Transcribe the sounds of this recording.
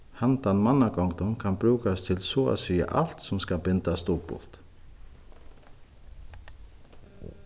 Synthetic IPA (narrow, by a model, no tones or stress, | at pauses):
hant̪anmanaɡɔŋkt̪ʊnkʰanbɾʉːkast̪ʰɪlsɔa̰siːa̰ʔal̥t̪sʊmskabɪnt̪ast̪uːpʊ̰l̥t̪